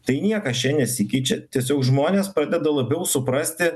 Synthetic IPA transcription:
t̪ɐɪnʲiɛkɐt͡ʃʲɛnʲɛsʲɪkʲɛɪt͡ʃʲɛt̪ʲiɛsʲoːkʒmoːnʲeːspɾɑːd̪ʲɛd̪ɐlˠɐbʲɛʊsʊpɾɐsʲt̪ʲɪ

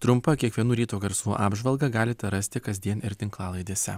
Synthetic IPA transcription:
t̪ɾʊmpɐkʲiɛkʋʲiɛnuːɾʲiːt̪uːɡɐɾsuːʔɑːbʒʋɐlˠɡɐɡɑːlʲɪt̪ʲɛɾɐsʲt̪ʲɪkɐzʲd̪ʲiɛnɪɾt̪ʲɪŋklˠɑːlˠɐɪd̪ʲeːsʲɛ̰

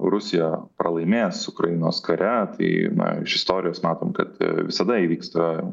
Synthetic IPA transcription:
rʊsʲɪjɛpɾɐlˠɐɪmʲeːsʊkɾɐjɪnoːskɐɾʲɛt̪ɐ̰ɪnɐ̰ɪʃɪst̪oːɾʲɪjoːsmɑːt̪oːmkɐ̰t̪ʋʲɪsɐd̪ɐiʋʲiːkst̪ɐ

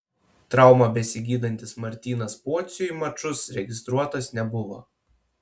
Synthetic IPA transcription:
t̪ɾɑˑʊmɑbʲɛsʲɪɡʲiːd̪ɐnʲt̪ʲɪsmɐɾʲt̪ʲiːnɐspuɔt̪sʲʊimɐt͡ʃʊsɾʲɛɡʲɪst̪ɾuɔt̪ɐsnʲɛbʊʋo̰ː

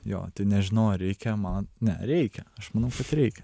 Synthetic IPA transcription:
jo̰ːt̪ɪnʲɛʒʲɪnoːɾʲɛɪkʲɛmɐnnʲɛ̰ɾʲɛɪkʲɛɐʃmɑnɐʊkɐt̪ɾʲɛɪkʲɛ

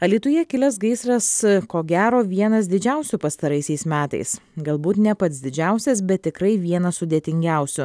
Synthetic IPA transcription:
ɐlʲiːt̪ʊjɛkʲɪlʲɛsɡɐɪsɾɐskoːɡʲæːɾoːʋʲiɛnɐs̬d̪ʲɪd͡ʒʲæˑʊsʲʊpɐst̪ɐɾɐɪsʲɛɪsmʲæːt̪ɐ̰ɪs | ɡɐlˠbuːt̪nʲɛpɐt̪sd̪ʲɪd͡ʒʲæˑʊsʲɛs̬bʲɛt̪ʲːɪkɾɐɪʋʲiɛnɐsʊd̪ʲeːt̪ʲɪŋʲɡʲæˑʊsʲʊ

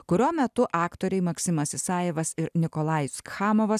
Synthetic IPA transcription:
kʊɾʲuɔːmʲɛt̪ʊʔɑːkt̪oːɾʲɛɪmɐksʲɪmɐsʲɪsɑːjɪʋɐsɪɾnʲɪkɔlˠɑːjʊskxɑːmoʋɐs

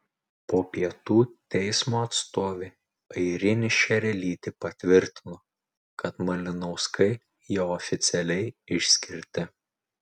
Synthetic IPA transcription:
poːpʲiɛt̪uːt̪ʲɛɪsmoːɐt̪st̪oːʋʲeː | ɐɪɾʲɪnʲɪʃʲɛɾʲɛlʲiːt̪ʲɪpɐt̪ʲʋʲɪɾʲt̪ʲɪnoː | kɐt̪mɐlʲɪnɔʊskɐɪ | joːɔfʲɪt̪sʲɛlʲɛɪɪʃʲsʲkʲɪɾʲt̪ʲɪ

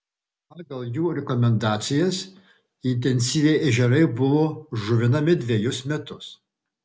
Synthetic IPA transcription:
pɑːɡɐlˠjuːɾʲɛkɔmʲɛnd̪ɑːt̪sʲɪjɛs | ɪnʲt̪̬ʲɛnʲsʲiːʋʲɛɪʔɛʒʲɛɾɐɪbʊʋoːʒʊʋʲɪnɐmʲɪd̪ʲʋʲɛjʊsmʲɛt̪ʊs

